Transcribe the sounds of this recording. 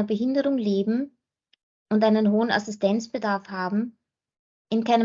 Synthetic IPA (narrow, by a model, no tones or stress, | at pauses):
ɐbəɦɪndəʁʊŋleːbm̩ | ʔʊntʔaɪnənɦoːəna̰sɪstʰɛnt͡sb̥ədaɐfhaːbm̩ | ʔɪnkaɪnə